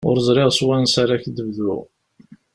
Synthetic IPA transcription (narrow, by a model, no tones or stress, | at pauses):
ʊɾəzˤɾɪʁswænsaɾaçd̪əvðʊ̰ʁ